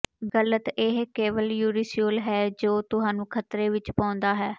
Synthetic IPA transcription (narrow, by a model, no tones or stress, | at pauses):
ɡələt̪ɪɦkeːʋəljuːɾɪsijoːlɦɛːd͡ʒoːt̪ʊsaːnũːkʰət̪ɾeːʋɪt͡ʃpãːʊ̃nd̪aːɦɛː